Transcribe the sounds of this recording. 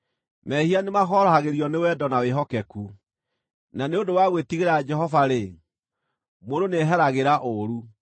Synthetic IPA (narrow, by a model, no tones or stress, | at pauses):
mɛhianemaxɔɾɔhaɣeɾiɔnewɛdɔnaweɦɔkɛku | naneodowaɣwetiɣeɾad͡ʒɛɦɔvaɾe | modoneɦɛɾaɣeɾaʔoɾu